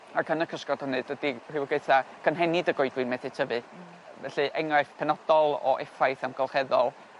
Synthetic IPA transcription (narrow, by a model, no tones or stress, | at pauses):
akʰənəkʰəskɔd̥hənɨdwədir̥ɪwɔɡejtʰakʰənɦɛnidəɡɔɨdwɨnmɛθɨtʰəvɨ | vɛɬɨʔɛŋrajθpʰɛnɔd̥ɔlˠɔ̰ʔɛfajθamɡ̥ɔlˠχɛðɔlˠ